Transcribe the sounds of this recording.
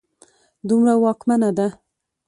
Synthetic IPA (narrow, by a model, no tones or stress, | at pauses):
d̪umɾawɑkmanad̪a